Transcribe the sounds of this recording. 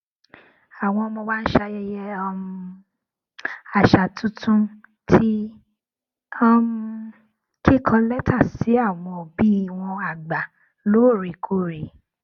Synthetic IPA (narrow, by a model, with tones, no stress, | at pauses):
a˨w̃ɔ̃˧mõ˧ba˦n̩˦ʃa˧jɛ˦jɛ˦ɔ˧m˧ | a˨ʃa˨tũ˦tʰũ˦ | tʰi˦ | ɔ˧m˧ | kʰi˦kʰɔ̃˧lɛ˦tʰa˦˨si˨˦a˦˨w̃ɔ̃˧˨bi˦˨w̃ɔ̃˧a˨ɡ͡ba˨ | lo˨˦˨ɾi˨kʰo˦˨ɾi˨